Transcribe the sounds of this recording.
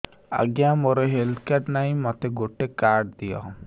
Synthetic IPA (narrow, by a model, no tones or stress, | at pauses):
a̰ɡjamoɾeɦeld̪kaɖnaj̃mɔt̪eɡoʈekaɾɖ̚d̪ijɔ̰